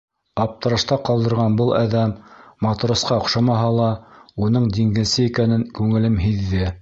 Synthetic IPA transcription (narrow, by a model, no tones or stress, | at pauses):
ɑp̚t̪ɤ̆ɾɑ̆ʃt̪ɑqɑlˠd̪ɤ̆ɾʁɑnbɤlˠɑðæmːɑt̪̆ɾŏsqɑŏqʃɑmɑɦɑlˠɑunɤɴd̪iŋɡɘ̆nsɘikænɘŋkʉŋɘ̆lɘmɦiðːɘ